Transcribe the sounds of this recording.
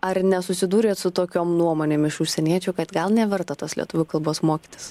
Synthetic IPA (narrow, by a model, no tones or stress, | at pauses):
ɐɾnʲɛsʊsʲɪd̪uːɾʲeːt̪sʊt̪oːkʲoːmnuɔmoːnʲeːmɪʃʊʃʲsʲɛnʲiɛt͡ʃʲʊkɐt̪ɡɐlˠnʲɛʋʲɛɾt̪ɐt̪oːslʲiɛt̪ʊʋʲʊkɐlˠboːsmoːkʲit̪ʲɪ̥s